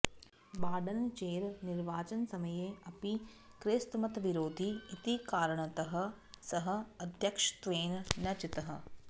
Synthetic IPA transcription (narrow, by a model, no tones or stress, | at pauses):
baːɖɐnt͡ʃeːɾniɾʋaːt͡ʃɐnsɐmɐjeːɐpi | kɾeːst̪mɐt̪ɐʋiɾoːd̪ʱiːt̪ikaːɾɐɳɐt̪ɐɦɐ̆ | sɐɦɐ̆ɐd̪ʱjɐkʂt̪ʋeːnnɐt͡ʃit̪ɐɦɐ̰̆